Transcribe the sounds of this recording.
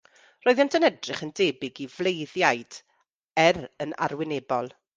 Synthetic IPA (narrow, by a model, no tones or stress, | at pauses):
roːɨðɛntʰənɛdrɪχəndeːbɪɡivlˠejðjajd̥ | ɛrəna̰rwɪneːbɔlˠ